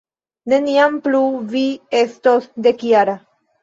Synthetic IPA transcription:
ne̞niampluvie̞stosd̪e̞kjaɾa

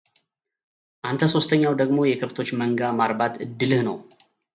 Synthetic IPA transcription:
ʔant̪ʰəso̞st̪ʰəɲːawd̪əɡmo̞jɛkʰɨft̪ʰo̞t͡ʃːməŋɡamaɾbat̪ɨd̪ːɨlɨhnəw

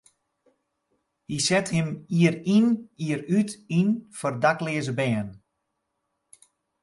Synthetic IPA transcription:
hisɛthɪmiəriniəɾytinfɔrdaklɪəzəbɛːn

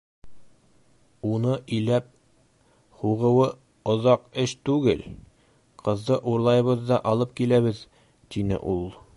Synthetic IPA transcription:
unɤʔɵ̆jlæp̚ | huʁɤ̆wɤ | ŏðɑqɘʃt̪ʉɡɘl | qɤ̆zd̪ɤʔuɾlˠɑjɤ̆βɤðd̪ɑʔɒlˠɤp̚kilæβɘð | t̪inɘ̰ʔulˠ

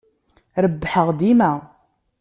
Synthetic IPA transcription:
ɾəbːħəʁd̪imæ

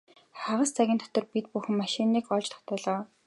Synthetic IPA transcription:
χaʁə̆st͡sʰæɣʲiːnt̪ʰɔ̥t̪ɞ̆rpit̪̚puxɘ̆mːaʃinːiːkɔɮt͡ɕt̪ɔ̥̆χt̪ʰæːɮɔː

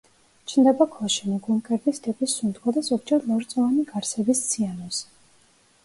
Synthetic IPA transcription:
t͡ʃʰnd̪ɛbakʰɔʃimiɡumkʼɛɾd̪ist̪ʼɛpʼisːund̪ɡad̪azɔɡd͡ʒɛɾlˠɔɾt̪sʼɔvaniɡaɾsɛbist̪sʰianɔs

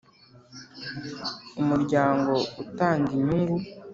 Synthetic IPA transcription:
umuɾɟaːŋɡo̞utaːɲdiɲuŋɡu

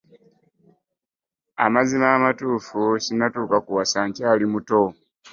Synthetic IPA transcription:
a̰mazimaːmatuːfucinatuːkakuwasaːɲcaːlimuto̞

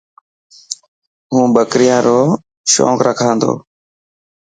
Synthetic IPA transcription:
ɦũːɓəkɾɪjãːɾoː | ʃo̰ːkɾəkʰãːnd̪o̰ː

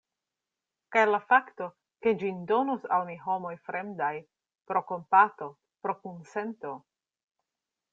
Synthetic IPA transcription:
kajlafakto̞ | ke̞d͡ʒindonosalmiɦo̞mo̞jfɾe̞mdaj | pɾo̞ko̞mpato̞ | pɾo̞kunse̞nto̞

